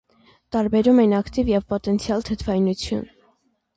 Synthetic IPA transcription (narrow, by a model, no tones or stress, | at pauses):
t̪ɑɾbɛɾumɛjnɑkt̪ivjɛvpɔt̪ɛnt͡sʰjɑlt̪ʰət̪ʰvɑjnut͡sʰjṵn